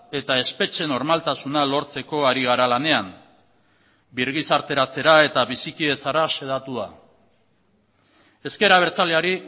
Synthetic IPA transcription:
e̞t̪ae̞spe̞t͡ʃe̞no̞ɾmalt̪asunalo̞ɾt͡se̞ko̞aɾiɣ̞aɾalane̞am | biɾɣ̞isaɾt̪e̞ɾat͡se̞ɾae̞t̪aβisikie̞t͡saɾase̞ð̞at̪ua̰ | e̞ske̞ɾaβ̞e̞ɾt͡saleaɾi

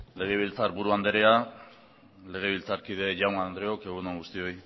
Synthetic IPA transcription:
le̞ɣ̞eβ̞ilt͡saɾbuɾuand̪eɾea | le̞ɣ̞e̞β̞ilt͡saɾkið̞e̞ʝawŋand̪ɾeoke̞ɣunoŋɡust̪io̞j

